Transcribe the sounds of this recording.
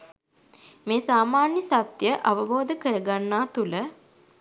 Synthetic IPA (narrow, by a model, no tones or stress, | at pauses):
meːsaːmaːnjəsat̪jəʔaʋəboːd̪əkəɾəɡanːaːt̪ulə